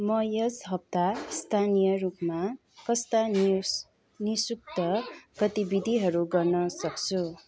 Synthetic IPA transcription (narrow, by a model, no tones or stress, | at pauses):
mʌjʌd͡zɦʌp̚t̪ast̪ʰanijʌɾupma | kʌst̪a | nisuk̚t̪ʌɡ̥ʌt̪ibid̪ʱiɦʌɾuɡʌrnʌsʌkt͡sʰu